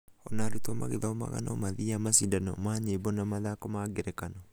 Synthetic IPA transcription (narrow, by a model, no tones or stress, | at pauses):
ɔnaɾutɔma̰ɣeðaɔma̰ɣa̰nɔ̰maðiamasidanɔmaɲebɔnamaðakɔmaɡeɾɛkanɔ